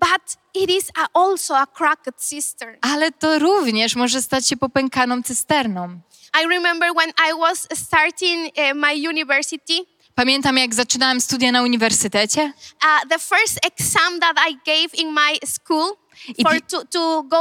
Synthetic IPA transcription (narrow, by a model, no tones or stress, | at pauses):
b̥at̪ | iɾizaʔɔlsoakʰɾakət̪sist̪ə˞alɛt̪ɔɾuvɲɛʂmɔʐɛst̪at͡ɕɕɛpɔpɛŋkanɔ̃mt̪sɛst̪ɛɾnɔ̃m | ajɹimɛ̃mbə˞wɛ̃najwɔsst̪aɾt̪ĩŋmajunivɛɹsit̪i | pamʲjɛnt̪amjaɡzat͡ʂɨnawɛmst̪ud̪janauɲivɛɾsɨt̪ɛt͡ɕɛðəfɛɹst̪eksãmðatajɡejvĩnmajskul | ifəɹtut̪uɡo